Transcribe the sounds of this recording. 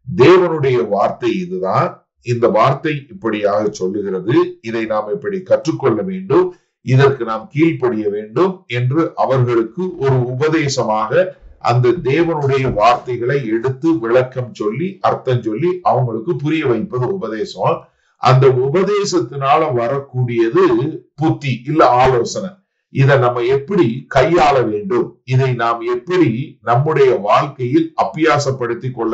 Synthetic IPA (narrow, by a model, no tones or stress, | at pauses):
d̪eːʋɐnɯɽɐjɐʋaːɾt̪ɐɪɪðɯðãːn | ɪnd̪ɐʋaːɾt̪ɐɪɪpːɐɽɪjaːɣɐt͡ʃɔlːɯɣɪrɐðɯɪðɐɪnaːmɪpːɐɽikɐʈrɯkːɔɭːɐʋeːɳɖɯm | ɪðɐrkɯnaːmkiːlpɐɽɪjɐʋeːɳɖɯmɛndrɯʔɐʋɐɾɣɐɭɯkːɯʔɔɾɯʊbɐðeːsɐmaːɣɐʔɐ̰nd̪ɐd̪eːʋɐnɯɽɐjɐʋaːɾt̪ɐɪɣɐɭɐɪɛɽɯt̪ːɯʋɪɭɐkːɐmt͡ʃɔlːiʔɐɾt̪ːɐɲt͡ʃɔlːiʔɐʋɐŋɡɐɭɯkːɯpʊɾɪjɐʋɐɪpːɐðɐʊbɐðeːsɐ | ʔɐ̰nd̪ɐʊbɐðeːsɐt̪ːɪnaːlɐʋɐɾɐkːuːɽɪjɐðɯpʊt̪ːiʔɪlːɐaːloːsɐnɐ | ɪðɐnɐmːɐɛpːɐɽikɐjːaːlɐʋeːɳɖɯmɪðɐɪnaːmɛpːɐɽinɐmːɯɽɐjɐʋaːlkɐjɪlɐpːɪjaːsɐpːɐɽɯt̪ːɪkːɔɭːɐ